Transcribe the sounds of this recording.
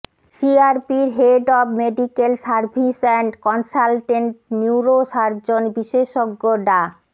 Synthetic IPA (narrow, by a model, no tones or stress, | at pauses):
siaɾpiɾɦeɖɔbmeɖikelsaɾbʱisɛɳʈkɔnsalʈeɳʈ̚niwɾoʃaɾd͡ʑonbiʃeʃoɡːoɖa